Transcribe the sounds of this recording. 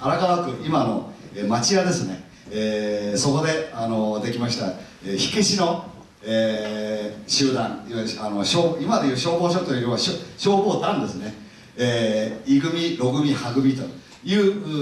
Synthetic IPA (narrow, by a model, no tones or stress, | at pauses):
aɾakanak̪ɯʔimano̞emat͡ɕijad̪e̞sɨne̞ | eso̞ko̞d̪e̞ano̞d̪e̞kʲimaɕi̥t̪a̰ | eçi̥keɕino̞ | eː | ɕɨːd̪ãŋanoɕoːimad̪ejɯ̟ːɕo̞ːbo̞ːɕoːt̪oɾiβaɕoɕo̞ːbo̞ːt̪ãnd̪e̞sɨne̞ | eːiɡɯ̟mʲiɾo̞ɡɯ̟mʲihaɡɯ̟bʲit̪o | jɯ̟ː